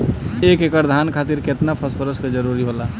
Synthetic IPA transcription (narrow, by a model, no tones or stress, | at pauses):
eːkekəɾd̪ʱankʰaːt̪iɾket̪napʰəspʰəɾəsked͡ʒəɾuɾiɦola